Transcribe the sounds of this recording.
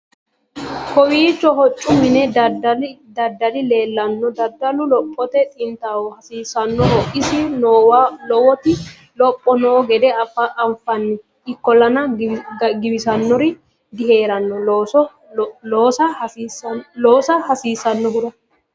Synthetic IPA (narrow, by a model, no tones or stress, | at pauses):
kɔwiːt͡ʃːɔhɔt͡ʃʼːʊmɪnɛɐdd̪ɐd̪ːɐlɪle̞ːlːɐnːɔd̪ɐd̪ɐlʊlɔpʼːɔt̪ɛt̪ʼɪnt̪aːwɔhɐsiːsɐnːɔɔʔɪsɪnoːwlɔwɔt̪ɪ | lɔpʼːɔnoːɡɛd̪ɛɐpːɐʔɐɱfɐnːɛ | ʔɪkːɔlɐnɐ | ɡɪbɪsɐnːɔɾɪ | d̪ɪhe̞ːɾɐnːɔ | loːsɐ | loːsɐhɐsiːsɐnːɔɡʊɾɐ